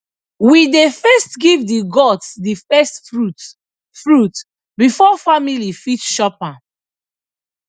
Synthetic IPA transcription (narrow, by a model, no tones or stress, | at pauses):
widefɛstɡivdiɡɔtsdifɛstɹu | fɹut | bifɔfamilifit͡ʃʃɔpã